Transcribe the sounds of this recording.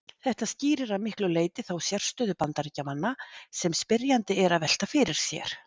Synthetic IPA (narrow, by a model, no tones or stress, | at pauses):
θɛht̪asciːɾɪɾaðmɪhklʏleːjt̪ɪθawsjɛr̥st̪œːðʏpant̪aɾicamanːasɛmspɪɾjant̪ɪɛɾaðvɛl̥t̪afɪɾɪɾ̥sjɛ̰ɾ̥